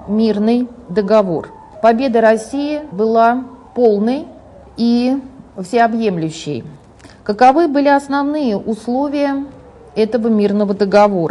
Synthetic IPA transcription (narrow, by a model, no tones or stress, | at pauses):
mʲirnɨjd̪əɡɐvo̞r | pɐbʲe̞d̪əɾɐsʲːijɪbɨlˠapo̞lˠnəj | ifsʲɪɐbje̞mlʲʉɕːɪ̰j | kəkɐvɨbɨlʲɪɐsnɐvnɨjəʔʊslˠo̞vʲɪjə | ɛt̪əvəmʲirnəvəd̪əɡɐvo̞ɾə̰